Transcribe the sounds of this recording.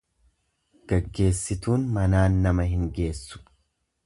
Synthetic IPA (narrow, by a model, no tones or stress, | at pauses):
ɡ̥ɐɡːe̞ːsːɪt̪uːnmɐnaːnːɐmɐɦɪŋɡe̞ːsːʊ̥